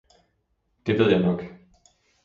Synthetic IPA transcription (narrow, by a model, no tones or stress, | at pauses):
d̥e̝ʋe̝ð̰ˠjɑ̈ɪnɒ̽ɡ̥